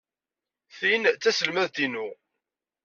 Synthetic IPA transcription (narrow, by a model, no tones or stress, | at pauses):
θint͡sːæsəlmæðt̪inʊ